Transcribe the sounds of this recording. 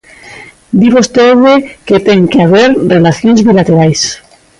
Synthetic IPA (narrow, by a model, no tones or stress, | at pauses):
d̪iβost̪eweket̪eŋkeaβ̞eɾrelaθjonzβilat̪eɾajs